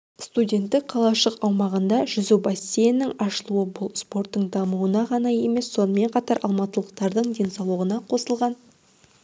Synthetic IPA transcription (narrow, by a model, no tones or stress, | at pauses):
st̪udʲe̞nt̪ːɪk̚qʰɑlˠɑʃəqɑwmɑʁənd̪ɑʒʏzɪbɑsːejnːɪŋɑʃəlˠuəbʊlˠspo̞ɾt̪ːəɴd̪ɑmuənɑʁɑnɑje̞me̞sːo̞nəme̞ɴqʰɑt̪ɑɾʔɑ̰lˠmɑt̪əlˠəq̚t̪ɑɾd̪əɴd̪e̞nsɑwlˠəʁənɑqʰo̞səlˠʁɑn